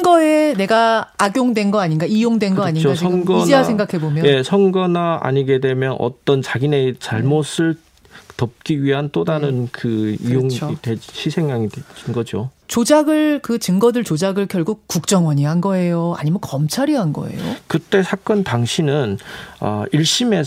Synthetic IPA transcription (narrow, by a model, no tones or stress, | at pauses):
ɡʌene̞ɡaaɡjoŋdwe̞nɡʌaɲinɡaijoŋdwe̞nɡʌaɲinat͡ɕsiʌɯɡʌd͡ʑeaeŋɡakʰe̞bomjʌjesʰʌŋɡʌnaa̰ɲiɡe̞dwe̞mjʌnʔʌ̰t͈ʌnt͡ɕaɡinet͡ɕaɭmos͈ʰɯɭ | tʌp̚k͈iɥiɦant͈odanɯnkɯijoŋidweɕʰisʰe̞ŋːaŋideinɡʌd͡ʑot͡ɕod͡ʑaɡɯɭkɯt͡ɕɯŋɡʌdɯɭt͡ɕod͡ʑaɡɯɭkjʌɭɡuk̚k͈uk̚t͡ɕ͈ʌŋwʌɲiɦanɡʌe̞joa̰ɲimjʌnkʌmt͡ɕʰaɾiɦanɡʌ̰e̞̰jokɯt͈e̞sʰak͈ʌntaŋɕʰinɯnʌ̰iɭɕ͈ime̞